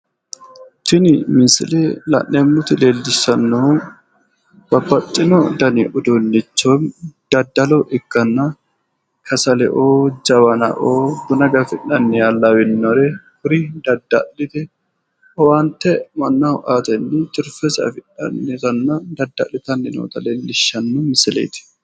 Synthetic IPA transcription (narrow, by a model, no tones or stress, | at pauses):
t̪ɪnɪmɪnsɪ̰lelɐ̰ʔːemːʊt̪ɪleːlːɪsːɐnːo | b̥ɐbːɐt͡ʃʼːɪnɔd̪ɐnɪʔʊd̪onːɪt͡ʃːomd̪̥ɐd̪ːɐlɔʔɪɡːɐnːɐ | kʰɐsɐlɛ̰ʔoːd͡ʒɐwɐnɐ̰ʔoːd̪ʊnɐɡɐfɪnːɐnːɪjaːlːɐwɪnːɔɾɛhʊɾɪd̪ɐd̪ːɐ̰lːɪt̪ɛ | ɔwant̪ːɛmɐnːɐʊʔat̪ɛnːɪt͡ʃʼʊɾfɛsɐ̰fɪᶑɐ̰nːɪt̪ɐnːɐd̪ɐd̪ːɐ̰lːɪt̪ɐnːɪno̰ːt̪ɐleːlːɪʃːɐnːʊmɪsɪlḛjt̪ɪ̥